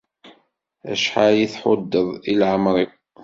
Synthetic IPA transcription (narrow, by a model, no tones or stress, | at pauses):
æ̰ʃħaliθħʊd̪ːəðˤilʕəmɾˤiw